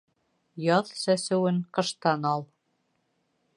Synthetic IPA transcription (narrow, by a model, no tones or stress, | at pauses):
jɑðsæsɘ̆wɘŋqɤ̆ʃt̪ɑnɑlˠ